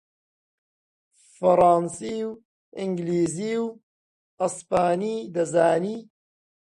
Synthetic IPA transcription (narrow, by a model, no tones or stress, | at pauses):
fɐɾˤɑːnsiːw | ʔɪŋɡliːziːw | ɐspaːniːd̪ɐzaːniː